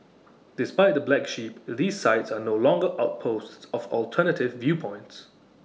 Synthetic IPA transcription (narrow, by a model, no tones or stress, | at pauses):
d̥ɪspaɪt̪̚ðəblækʃiˑp̚ðiːz̥saɪtsənoʊlɔ̃ŋɡəɹʔaʊt̚pʰoʊsttsəvɔlˠtʰɜnətɪvːjʉːpʰɔ̃ɪ̃nts